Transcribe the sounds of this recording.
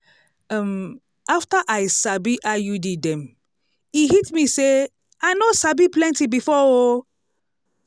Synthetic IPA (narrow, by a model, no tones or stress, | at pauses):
am | aftaʔajsabiʔajudidɛ̃m | iɦitmise | aɪnosabiplɛ̃ntibifɔo